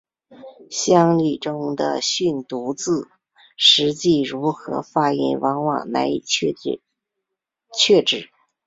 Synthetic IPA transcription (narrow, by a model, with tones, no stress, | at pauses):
ɕjɑ˥ŋli˥˩ʈ͡ʂʊ˥ŋd̪ə̰˨ɕy˥˩nt̪u˧˥t͡sɹ̩˥˩ | ʂɻ̩˧˥t͡ɕi˥˩ɻu˧˥xɤ̰˧˥fa˥ḭ˥˩nwɑ˧˥ŋwɑ̰˥˩ŋna˧˥ɪ˨˩˧ | t͡ɕʰɥɛ˥˧ʈ͡ʂɻ̩˥˩˦